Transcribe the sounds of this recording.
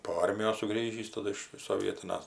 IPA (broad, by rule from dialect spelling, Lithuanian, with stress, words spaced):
poː ˈɐrʲmʲɪjoːs sʊˈɡrʲiːʒʲiːs tɐˈdʊ ɪʃ soːˈʋʲiɛtʲɪnɐs